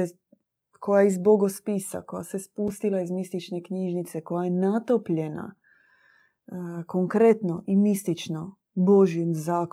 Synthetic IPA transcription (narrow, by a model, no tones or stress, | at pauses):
e | kʰo̞jaizboɡospisa̰ko̞jasespust̪ilˠaizmist̪it͡ʃne̞kɲiʒnit̪se̞ko̞jajenat̪opʎe̞na̰ | koŋkɾe̞t̪noʔimist̪it͡ʃno | boʒjenzaːk